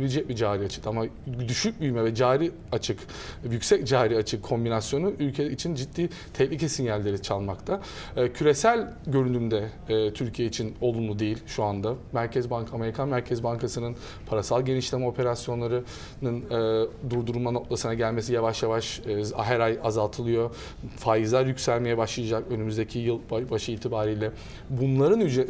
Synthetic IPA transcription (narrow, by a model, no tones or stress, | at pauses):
bilʲd͡ʒɛc̚bid͡ʒaːɾiat͡ʃʰɯ̥k̪amad̪yʃyc̚byjmɛvɛd͡ʒaːɾi | at͡ʃʰɯk | jycʲsɛcd͡ʒaːɾiat͡ʃʰɯkʰːo̞mbinasjo̞nuʔylʲcʰeit͡ʃʰind͡ʒit̪ːiː | t̪ʰɛhlʲicʰɛsinjælʲːe̞ɾit͡ʃʰalˠmakt̪ʰa | cʰyɾesælʲ | ɟø̞ɾynymd̪ɛːt̪ʰyɾcʰijeit͡ʃʰino̞lˠunlˠud̪e̞jilʲʃuand̪amæɾcʰɛzbankame̞ɾikʰanmæɾcʰɛzbankʰasɯnɯn | pʰaɾasalˠɟe̞niʃlʲemɛo̞pʰe̞ɾasjo̞nlˠaɾɯ | nɯnɯd̪uɾd̪uɾumano̞k̚t̪ʰˠasɯnaɟælʲme̞sijavaʃjavaʃɦæɾajazalˠt̪ʰɯlˠɯjo̞ | faːjizlˠaɾjycʲsælʲme̞jɛbaʃlˠɯjad͡ʒakø̞nymyzd̪e̞cʰijɯlˠbbaʃɯiːt̪ʰibaːɾijlʲɛ | bunlˠaɾɯnyd͡ʒe